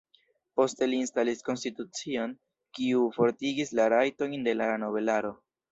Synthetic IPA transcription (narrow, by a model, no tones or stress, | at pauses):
po̞ste̞liːnstalisko̞nstitut͡sio̞n | kiufo̞ɾtiɡislaɾajto̞jnde̞lano̞βe̞laɾo̞